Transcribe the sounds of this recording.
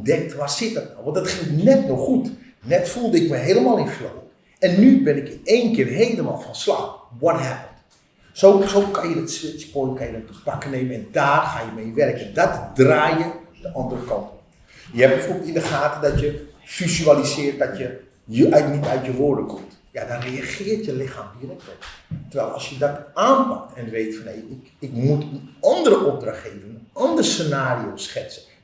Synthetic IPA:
ndɛk̚tʋaːrsɪt̚ət̚nawʋɔ̃ntdɑtχɪŋnɛtnɔxχut | nɛtfulˠdəɪkməɦeləmaːlˠɪnfo̰l | ɛnːybɪnɪkeːnkɪːrɦejləma̰ːlˠfɔnslɑxwɔtɦɛpənt | soːsokɑnjədɑtsɪtspoəkanjədɔtəpakənejmənɛndaːrxaːjəmejʋɛrkɛndɔtdraːjəd̥əʔɔndərəkɑnt | jəɛp̚bəfobətindəxaːtədɔtjəfizyalisɪːrt̚dɔtjə | əɛnitœɥtjəʋoːɹdəkɔmt | jadɔnreaxɪːrtjəlɪxaːmʋiərɛkʋɛtəʋɛːlˠɑ̰sjədɔtaːnpak̚tɛnʋeːtfɔnejɪ | ɪkmutənɔndərəʔɔp̚draxtheːvənəənɔndərsənaːriosxɛt͡sə

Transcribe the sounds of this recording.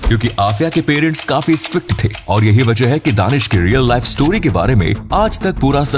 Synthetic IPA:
kjõːkiʔaːfijakepeːɾə̃ɳʈskaːfisʈɾɪk̚ʈt̪ʰeːɔːɾjɐɦiʋɐd͡ʒəɦɦɛkid̪a̰ːnɪʃkiɾiːəlːaːɪfsʈoːɾikeba̰ːɾemḛ̃aːd͡ʒt̪ɐk̚puːɾasɐ

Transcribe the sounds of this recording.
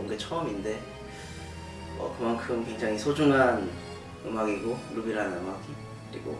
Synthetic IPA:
mɡet͡ɕʰʌʌminde̞ | ʌ̰kɯmankʰɯmkwe̞ŋd͡ʑaŋisʰod͡ʑuŋɦan | ɯ̰maɡiɡolubiɾɯɭɦanɯmaɡi | kɯɾḭɡo̰

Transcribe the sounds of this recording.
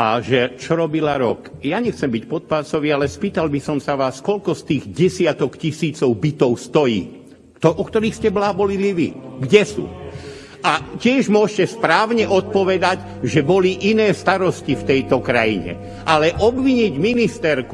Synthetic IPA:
a̰ʒɛt͡ʃɔɾɔbilaɾɔkjaɲɛxt͡sɛmbicpɔt̪̚pasɔʋialɛspiːt̪albisɔmsaʋaːskɔlkɔst̪iːɣɟɛsɪat̪ɔkcisiːt͡sɔʊbit̪ɔʊst̪ɔjḭː | t̪ɔɔkt̪ɔɾiːxscɛblaːbɔliliʋḭɡɟɛsṵː | ʔacɪɛʒmʊɔʃcɛspɾaːʊɲɛʔɔt̪̚pɔʋɛd̪aɟ | ʒɛbɔliʔinɛːst̪aɾɔscift̪ɛjt̪ɔkɾajḭɲɛ̰ | ʔalɛʔɔbʋiɲiɟminist̪ɛɾk

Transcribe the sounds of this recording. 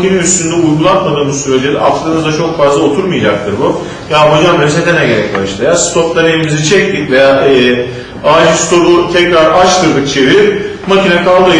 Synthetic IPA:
kinɛyst̪ynd̪ɛujɡulˠat̪mad̪ɯːmuzsyɾe̞d͡ʒed̪ɛ̰ʔaft̪ʰad̪ɯnɯzd̪at͡ʃʰo̞kfazlˠao̞t̪ʰuɾmɯjad͡ʒak̚t̪ʰɯɾbu | jaːmod͡ʒamb̪ɾset̪ʰenɛɟe̞ɾɛc̚baʃlˠajast̪ʰop̚d̪enejimizit͡ʃʰɛc̚t̪it̪vejaːʔɛː | aʒst̪ʰo̞ɾut̪ʰɛcɾaɾat͡ʃt̪ʰɯɾd̪ɯk̚t͡ʃʰe̞viɾ | macʰinɛkʰalˠd̪ɯ

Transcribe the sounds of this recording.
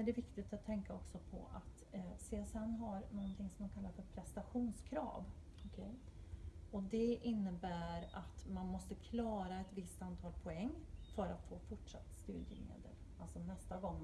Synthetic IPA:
æɖɛvɪkt̪ɪt̪at̪ʰːɛŋkaɔksɔpʰɔ̰ʔa̰t̪ | seɛsɛnːɦaɾnɔnt̪ʰɪŋːsɔmd̪ɔmkʰalːaɾfœɾpʰɾɛst̪aɧuːnskʰɾɑ̰ːv | ɔkʰɛ | ɔd̪ɛʔɪnːəbæːɾat̪manmɔst̪əkʰlɑːɾaɛt̪vɪst̪ant̪ʰɑːlpʰɔɛŋːfœɾat̪foːfʊʈʂa̰t̪ːst̪ʉːd̪jə̰mḛːd̪ə̰l | alsɔnɛst̪aɡɔŋː

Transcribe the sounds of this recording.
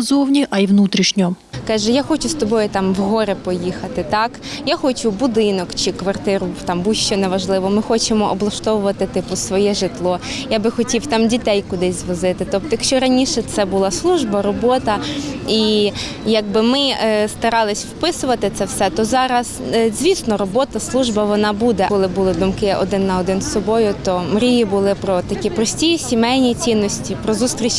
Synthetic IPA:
zɔwnʲiʔɐiʋnut̪ɾʲiʃnʲɔ | kɑʒɛjaxɔt͡ʃʊst̪ɔbɔjʊt̪ɑmʋɦɔɾɪpɔjixɐt̪ɪt̪ɑkjaxɔt͡ʃʊbʊd̪ɪnɔkt͡ʃɪkʋɐrt̪ɪɾʊt̪ɑmbuʃt͡ʃːɛnɛʋɐʒlˠɪʋɔmɪxɔt͡ʃemɔʔɔblˠɐʃt̪ɔʋʊʋɐt̪ɪt̪ɪpʊsʋɔjɛʒɪt̪lˠɔjabɪxɔtʲiwt̪ɑmdʲit̪ɛjkʊd̪ɪzʲzʋɔzɪt̪ɪt̪ɔp̚t̪ɔjɐkʃt͡ʃɔɾɐnʲiʃɛt̪sɛbʊlˠɑslˠuʒbɐɾɔbɔt̪ɐi | jɐɡ̚bɪmɪst̪ɐɾɑlˠɪsʲwpɪsʊʋɐt̪ɪt̪sɛwsɛt̪ɔzɑɾɐzzʲʋʲisnɔɾɔbɔt̪ɐslˠuʒbɐʋɔnɑbud̪ɛkɔlˠɪbʊlˠɪd̪ʊmkɪʔɔ̰d̪ɪnːɐɔd̪ɪnsɔbɔjʊt̪ɔmɾʲijibʊlˠɪpɾɔt̪ɐkʲipɾɔsʲtʲijisʲimɛjnʲit͡sʲinːɔsʲtʲipɾɔzust̪ɾʲit͡ʃ

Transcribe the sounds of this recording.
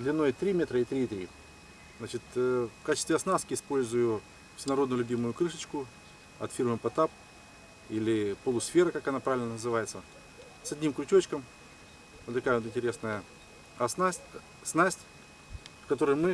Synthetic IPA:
d̪lʲɪnːo̞jt̪ɾʲimʲet̪ɾəit̪ɾʲiːt̪ɾʲḭ | znat͡ɕɪt̪fkat͡ɕɪst̪vʲɪɐsnaskʲɪɪspo̞lʲzʊjʊ | fsʲɪnɐɾo̞d̪nəlʲʉbʲimʊjʊkɾɨʂɨt͡ɕkʊ | ɐ̰t̪fʲirmɨpɐt̪ap̚ | ilʲɪpəlˠʊsfʲe̞ɾəkakɐnapɾavʲɪlnənəzɨvajɪt̪sə | sɐdʲnʲimklʲʊt͡ɕʲot͡ɕkəm | vot̪t̪ːɐkajəvot̪ɨnʲtʲɪɾʲesnəjə | ɐsnasʲ | snasʲtʲ | fkɐt̪o̞ɾəjmɨ

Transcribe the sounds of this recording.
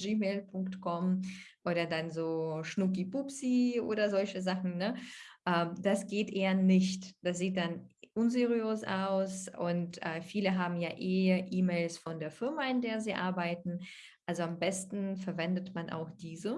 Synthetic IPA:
d͡ʒiːmeːlpʰʊŋktkʰɔmʔoːdɐdanzoːʃnʊkipʊpsiʔo̰ːdɐzɔlçəzaχn̩nəʔɛːmd̥asɡ̥eːtʔeːɐnɪçtd̥asz̥iːt̚d̥anʔʊnzeʁiøːsa̰ʊsʔʊntʔɛːfiːləɦaːbm̩jaːʔeːʔiːmeːlsfɔndeːɐfɪɐmaɪndeːɐziːʔaɐbaɪtn̩ | ʔalzoambɛstn̩fɛɐvɛndətmanʔa̰ʊxd̥iːzə

